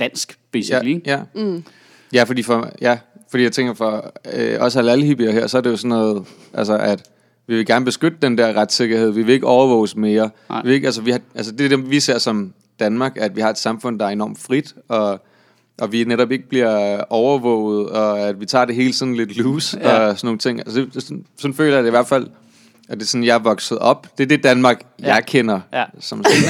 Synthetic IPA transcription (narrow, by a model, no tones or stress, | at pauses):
d̥æn̰sɡ̥b̥ejæ | jæfɒ̽d̥ḭːfɒjæfɒ̽d̥ḭːjaɪt͡sʰeŋɡ̥ɐfɒɒ̽səhælæləhib̥iɐɦæɐ̰sɒɐde̝jo̝sɒ̽nːɔ̽ːð̩ˠ | ʔælsəʔæd̥ | ʋiʋe̝ɡæɐnəb̥e̝sɡ̥ød̥əd̥end̥æɐʁɑd̥se̝ɡ̥ɐheð̞̰ˠʋiʋe̝le̝ɡ̥əɒʊɐʋɔːʊ̰sme̝ːɐ | iʋee̝ɡ̥æls̬əʋihʔælsəd̥e̝d̥eʋise̝ɐ̰sɒ̽m | d̥ænmɑ̈ːɡ̥æd̥ʋihɑ̈e̝d̥sɑ̈mfɔ̽n̰d̥ɑ̈æɐe̝nɒ̰ːmd̥fʁid̥ɒ̽ | ʔɒ̽ʋineɾɒ̽b̥e̝ɡ̥əb̥liɐɒʊɐʋɔ̰ːʊ̰ð̩ˠɒ̽æd̥ʋit͡sʰɑ̰̈ːd̥e̝ɦe̝ːlət͡sʰiðn̩le̝d̥luːsɒsɒno̝ːŋ̩t͡sʰe̝ŋ̰ælsəd̥e̥ssɒ̽nfø̰ːlɐjd̥eiʋæɐ̰d̥fæl̰ | æd̥e̝sɔ̽n̩jɑ̈ɪɐʋɒ̽ɡ̥sð̩ˠɒ̽b̥d̥e̝ɐd̥e̝d̥ænmɑ̈ːɡ̥jɑɪkʰen̰ɐsɒ̽m